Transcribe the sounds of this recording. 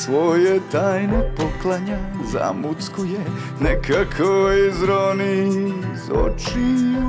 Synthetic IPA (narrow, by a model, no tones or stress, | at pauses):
sʋojet̪aːjnepoklˠaɲa | za̰mut̪skuje | nɛkʰakʰoizɾonizo̰t͡ʃi